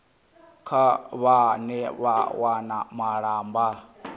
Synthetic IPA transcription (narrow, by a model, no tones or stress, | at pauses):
kʰaβanɛβawanamaɺaːmba